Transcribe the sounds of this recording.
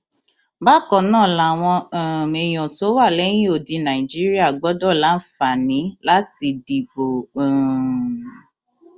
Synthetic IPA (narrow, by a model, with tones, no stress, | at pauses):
ba˦kɔ˨nãː˦˨la˨w̃ɔ̃˧˨me˨j̃ɔ̃˨to˨˦wa˦˨lɛ˨˦j̃ĩ˦o˨di˧nã˨i˨d͡ʒi˦ɾi˦a˦˨ɡ͡bɔ˨˦dɔ˦˨la˨˦n̩˦˨fa˨nĩ˨˦la˦ti˧di˨ɡ͡bõ˨